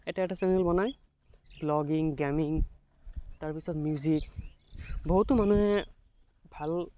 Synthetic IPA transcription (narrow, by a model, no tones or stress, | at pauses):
ɛtɛɛtasɛnɛlbɔnaj | blɔɡiŋɡɛmiŋ | taɹpisɔtmijuzik | boɦutːʊmanuɦɛ | bʱal